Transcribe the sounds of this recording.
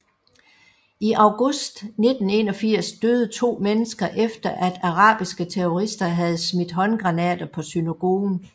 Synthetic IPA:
iʔɑ̈ʊɡ̥ɔsd̥ne̝d̥n̩e̝ːnɒ̽fiɐ̰sd̥øːð̩ˠt͡sʰo̝̰ːmenəsɡ̥ɐʔefd̥ɐʔæd̥ɑ̈ʁɑ̰̈ːb̥isɡ̥ət͡sʰeɔʁisd̥ɐɦæð̞ˠsmid̥ɦɒ̽nɡ̥ʁɑ̈nɛ̰ːd̥ɐpʰɒ̽synæɡ̥o̝̰ːn̩

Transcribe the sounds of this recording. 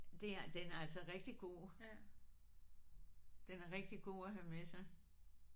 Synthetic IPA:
d̥e̝æd̥enæɐælsɒʁɛɡ̥̚d̥iɡ̥o̝̰ː | d̥enæɐʁɛɡ̥̚d̥iɡ̥o̝̰ːæɦæmesɑ̈ɪ

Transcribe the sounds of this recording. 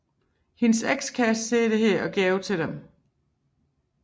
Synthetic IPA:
hinseɡ̥skʰæse̝̰ːd̥e̝ɦeɐ̰ʔɒ̽ɡ̥ɛːʊt͡sʰe̝d̥em

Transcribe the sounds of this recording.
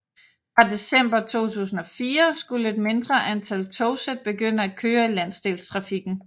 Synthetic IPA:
fʁɑ̈de̝sem̰b̥ɐt͡sʰo̝̰ːt͡sʰṵːsn̩ɒ̽fiːɐsɡ̥uləe̝d̥me̝nd̥ʁɐʔænt͡sʰælt͡sʰoʊsed̥̚b̥e̝ɡ̥øn̰æ̥kʰøːɐlæn̰sd̥e̝̰ːlst͡sʰʁɑ̈fiɡ̥n̩

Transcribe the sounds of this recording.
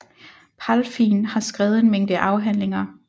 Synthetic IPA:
pʰælfiːnhɑ̈sɡ̥ʁɛːð̩ˠe̝nmeŋ̰d̥əʔɑ̈ʊɦæn̰le̝ŋɐ

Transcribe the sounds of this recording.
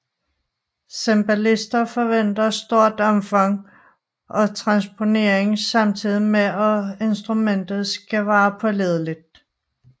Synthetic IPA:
semb̥ælisd̥ɐfɒ̽ʋen̰d̥ɐsd̥o̝ɐ̰d̥ɒ̽mfɑ̈ŋ̰ | ʔɒ̽t͡sʰʁɑ̈nspʰo̝ne̝ɐ̰eŋsɑ̈mt͡sʰið̰ˠimeɒe̝nsd̥ʁumen̰d̥ð̩ˠsɡ̥æʋɑ̈ːpʰɒ̽leð̞ˠlid̥̚

